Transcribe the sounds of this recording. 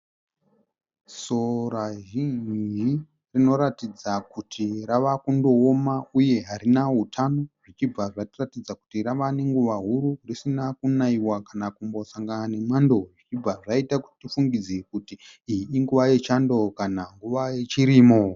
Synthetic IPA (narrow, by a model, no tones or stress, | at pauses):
so̞ɾaʒind͡ʒi | rino̞ɾatid͡zakutʰiraʋakundo̞ːmauje̞ɦaɾinaɦutʰanoʐit͡ʃib͡vaʐaratid͡zaku̥tiɾaʋane̞ŋɡuʋaɦuɾurisinakunaiwakanakumbo̞saŋɡanane̞mando̞ʐit͡ʃib͡vaʐaitaku̥ti̥tifuŋɡid͡zekutiːiːŋɡuʋaje̞t͡ʃando̞kanaŋɡuʋaje̞t͡ʃiɾimo